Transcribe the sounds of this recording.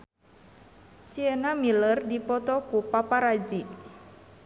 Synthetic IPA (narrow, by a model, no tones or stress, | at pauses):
siənamilərdipɔt̪ɔkupapaɾad͡ʒi